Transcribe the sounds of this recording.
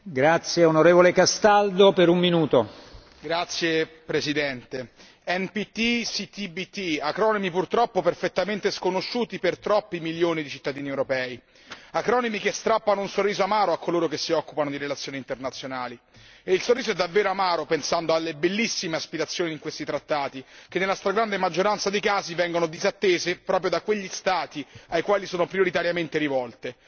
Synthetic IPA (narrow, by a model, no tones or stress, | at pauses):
ɡɾat̪sːjeonoɾeːvolekast̪ald̪opeɾumminuːt̪o | ɡɾat̪sːje | pɾesid̪ɛnt̪e | ɛnpit̪isit̪ibit̪ːiakɾɔnomipurt̪ɾɔpːoperfet̪ːament̪eskonoʃːuːt̪ipert̪ɾɔpːimiljoːnid̪it͡ʃit̪ːad̪iːniewɾopɛːi | akɾɔːnemikest̪ɾapːanounsorːiːzoamaːɾoakʰːoloːɾokesːiɔkːupanod̪iɾelat̪sːjoːnint̪ernat̪sːjonaːli | eilsorːiːzoɛd̪ːavːeːɾoamaːɾopensand̪oalːebelːisːimeaspiɾat̪sːjoːniiŋkwest̪it̪ɾat̪ːaːt̪ikenːelːast̪ɾaɡɾand̪emad͡ʒːoɾant̪sad̪ejkaːzivɛŋɡonod̪izat̪ːeːzepɾɔːpɾjod̪akweʎːist̪aːt̪iajkwaːlisoːnopɾioɾit̪aɾjament̪eɾivɔlt̪e